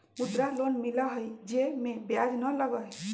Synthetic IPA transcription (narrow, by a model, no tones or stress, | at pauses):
mud̪ɾalonmiləɦəjd͡ʒemẽbjad͡ʒnələɡəɦ